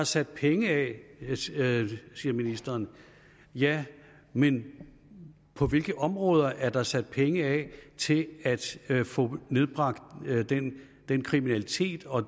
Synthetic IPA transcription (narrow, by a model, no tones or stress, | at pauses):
ɑ̈sæd̥̚pʰeŋəɛ | siːɐminisd̥ɐːn | jæ | men | pʰɒ̽ʋe̝lɡ̥əʔɒ̽mʁɔ̽ːð̞ˠɐʔæɐd̥ɑ̈sæd̥̚pʰeŋəɛt͡sʰe̝læd̥fɔ̰̽ne̝ð̞ˠb̥ʁɑ̈ɡ̥d̥d̥en | d̥enkʰʁiminælit͡sʰe̝̰ːd̥ɒ̽